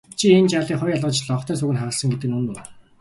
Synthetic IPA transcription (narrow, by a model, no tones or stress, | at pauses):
t͡ɕʰient͡ɕaɮiːχʊjaɮʁə̆t͡ɕɮɔχt̪ʰæːs̬uɣɘ̆nχaʁə̆ɮsə̆ŋɡet̪ɘ̆nunu